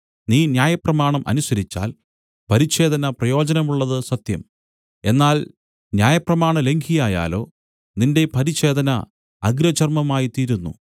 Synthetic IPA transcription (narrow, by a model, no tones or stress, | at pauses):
niːnjaːjɐprɐmaːɳɐmʔɐ̰nusɐɾit͡ɕːa̰ːl | pɐɾiɕe̞ːd̪ɐnɐprɐjo̞ːd͡ʑɐnɐmuɭːɐðɨsɐt̪jɐm | e̞nːaːl | njaːjɐprɐmaːɳɐle̞ŋɡʰʱijaːja̰ːlo̞ː | ninde̞pɐɾiɕe̞ːd̪ʱɐnɐ̰ | ɐɡɾɐt͡ɕɐrmɐmaːjit̪iːɾunːṵ